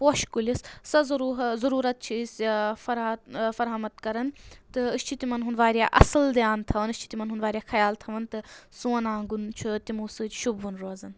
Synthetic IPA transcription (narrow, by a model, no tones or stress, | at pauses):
poːʃkulʲissɐzɐɾuɦzɐɾuːɾɐt̪̚t͡ʃʰisʲfɐɾt̪fɐɾɦɐmɐt̪kɐɾɐnt̪ɨɨst͡ʃʰit̪imɐnɦunʋaːɾjaːʔɐsɨld̪jaːnt̪ʰɐʋɐnɨst͡ʃʰi̥t̪ʲimɐnɦunʋaːɾʲijaːxʰɐjaːlt̪ʰɐʋɐnt̪ɨsuɐnãːŋɡunt͡ʃʰut̪imuːsɨt͡ʃʃubɦunɾoːzɐn